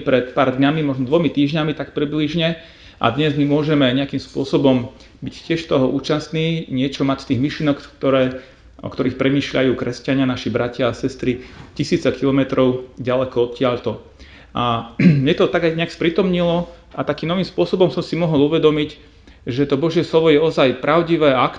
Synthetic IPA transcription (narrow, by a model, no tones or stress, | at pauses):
pɾɛt̪paːɾd̪ɲamimɔʒnɔd̪ʋɔmit̪iːʒɲamit̪akpɾibliʒɲɛ | ʔa̰d̪ɲɛzmimʊɔʒɛmɛɲɛakimspʊɔsɔbɔm | biccːɪɛʃt̪ɔɦɔʔuːt͡ʃast̪niːɲɪɛt͡ʃɔmact̪iːɣmiʃlinɔkt̪ɔɾɛː | ʔɔ̰kt̪ɔɾiːxpɾɛmiːʃlʎa̰juːkɾɛscaɲɪanaʃibɾacɪaːsɛst̪ɾicisiːt͡sɛkʰilɔmɛt̪ɾɔʊɟalɛkɔɔt̪̚cɪaʎt̪ɔ | ʔamɲɛt̪ɔt̪aɡajɲɛakspɾit̪ɔmɲilɔ | at̪akiːmnɔʋiːmspʊɔsɔbɔmsɔmsimɔɦɔlˠuʋɛd̪ɔmic | ʒɛt̪ɔbɔʒjɛslɔʋɔjɛɔzajpɾʔaʊɟiʋɛːak